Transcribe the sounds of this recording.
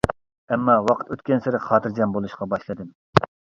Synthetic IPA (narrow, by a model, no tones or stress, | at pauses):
ɛmːɑwɑqʰə̥t̪øt̪kʲɛnsɪɾɪχɑːt̪ʰɨɾd͡ʒɛmbolˠuʃqɑbɑʃlˠɨd̪ɨm